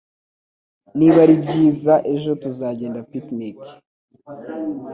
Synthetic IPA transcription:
niβaɾibɟiːzaʔe̞ʒo̞tuzaːɟe̞ːndapitnik

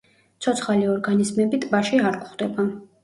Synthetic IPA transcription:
t̪sʰɔt̪sʰχaliɔɾɡanizmɛbit̪ʼbaʃiaɾkʼχd̪ɛba

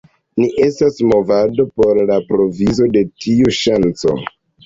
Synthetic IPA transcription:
niʔe̞stasmo̞vado̞po̞ɾlapɾo̞vizo̞de̞tʰiuʃant͡so̞̰

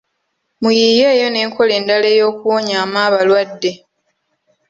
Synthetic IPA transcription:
mujije̞ːjo̞ne̞ːŋkʰo̞le̞ːndale̞ːjo̞ːkuwoɲaːmaːβalwadːe̞

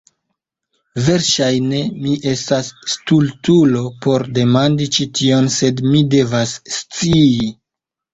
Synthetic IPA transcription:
ve̞ɾʃajne̞miʔe̞stasːtultulo̞po̞ɾde̞mandit͡ʃitʰio̞nse̞dmide̞vasːt͡siː

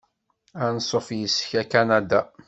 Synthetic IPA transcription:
ænsˤːofjəsçækænad̪a

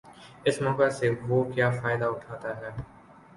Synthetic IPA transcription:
ɪsmɔːkaseʋoːkjaːfaːɪd̪aʊʈʰaːt̪aɦɛː

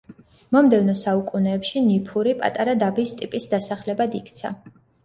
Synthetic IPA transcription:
mɔmd̪ɛvnɔsaukʼunɛːpʃinipʰuɾipʼa̰t̪ʼaɾad̪abist̪ʼipʼisd̪asaχlɛbad̪ikʰt̪sʰa̰

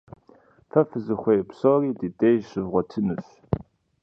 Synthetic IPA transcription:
fɐfɨzɨxʷejpsɔːɾiːditʼeːjɕɨvʁʷɔtʰɨnɨɕ

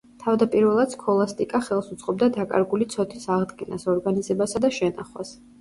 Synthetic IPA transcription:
t̪ʰavd̪apʼiɾvɛlˠad̪skʰɔlˠast̪ʼikʼaχɛlˠsut̪sʼqʼɔb̚d̪ad̪akʼa̰ɾɡulit̪sʰɔt̪ʰisaʁd̪ɡɛnasɔɾɡanizɛbasad̪aʃɛna̰χwa̰s

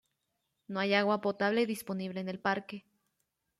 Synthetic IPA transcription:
noajaɣwapo̞t̪aβle̞iðispo̞niβ̞le̞ːne̞lpaɾke̞

